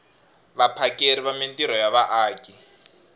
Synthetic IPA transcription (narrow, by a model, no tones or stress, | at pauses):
βapʰakʼeɾiβamentiɾɔjaβaʔaːkʼi